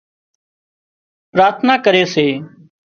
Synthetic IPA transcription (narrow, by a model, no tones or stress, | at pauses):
pɾaːɾt̪ʰnaːkəɾeːseː